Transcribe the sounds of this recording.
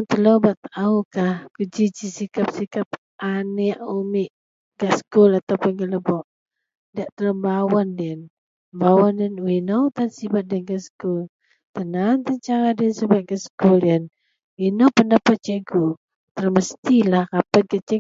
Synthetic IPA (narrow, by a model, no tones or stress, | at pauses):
nt̪əlobaʔt̪aukahkud͡ʒid͡ʒisikap̚sikap̚ | ʔanɛʔumiʔ | ɡaskulat̪awpʊnɡələbɔʔ | daʔt̪ələmbawɔndiən | mbawɔndiənwinowt̪ansibat̪̚dənɡaskul | t̪ənant̪əɲt͡ʃaŋadiənsəbat̪̚ɡaskuldiən | winowpəndapat͡ʃəɡu | t̪ələməst̪ilahkapat̪̚ɡat͡ʃə